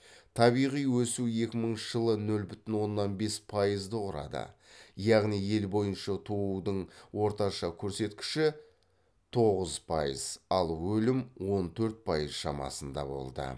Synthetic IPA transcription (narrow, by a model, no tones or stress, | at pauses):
t̪ʰɑβijʁijwɵsue̞kʲɪməɴʒ̥əlˠənɵlbʏt̪ɪnwo̞nːɑnbe̞spʰɑjəzd̪əqʊɾɑ̰d̪ə̰jɑʁnije̞lbo̞jənʃɑt̪ʰoud̪əɴwo̞ɾt̪ɑʃɑkʲʰɵɾse̞t̪kʲɪ̥ʃɪ | t̪ʰo̞ʁəzpʰɑjəzɑlˠwɵlɪmwo̞nt̪ʰɵɾt̪̚pʰɑjəzʃɑmɑ̰sənd̪ɑ̰bo̞̰lˠd̪ə̰